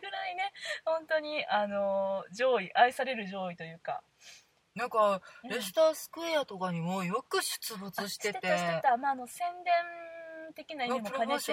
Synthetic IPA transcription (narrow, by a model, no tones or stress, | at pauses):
ɡɯɾaine̞hõ̞nt̪o̞ɲ̟iano̞d͡ʑo̞ːiʔaisaɾe̞ɾɯ̟ʑo̞ːit̪o̞jɯ̟ːka̰ | nãŋkaɾest̪aːsɨ̥kɯ̟ejat̪okaɲ̟imo̞ːjo̞kɯ̟ɕɨ̥t͡sɨbot͡sɨɕi̥e̞et̪eɕt̪et̪amaːno̞sẽ̞nd̪ẽ̞nt̪e̞kʲinaiiman